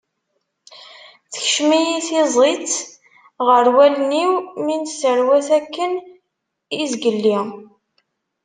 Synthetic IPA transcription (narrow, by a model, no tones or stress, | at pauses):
θə̥çʃmijiθizˤit͡s | ʁəɾwæləniwminsəɾwæθækːən | izɡəlːi